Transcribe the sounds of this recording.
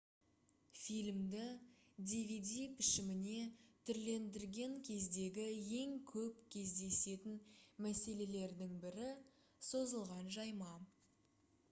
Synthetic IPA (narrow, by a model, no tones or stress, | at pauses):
fijlʲmd̪ɪd̪ʲivʲid̪ijpʰɪʃɪmɪne̞t̪ʰʏɾle̞nd̪ɪɾɡʲe̞ŋkʲʰe̞zd̪e̞ɡʲɪje̞ŋkʲʰɵpkʲʰe̞zd̪e̞se̞t̪ɪnmæse̞le̞le̞ɾd̪ɪŋbɪɾɪ | so̞zəlˠʁɑnʒɑjmɑ